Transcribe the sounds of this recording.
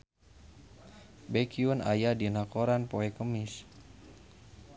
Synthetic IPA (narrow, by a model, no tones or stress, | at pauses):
bɛkiuna̰jadinakoɾanpoɛkəmis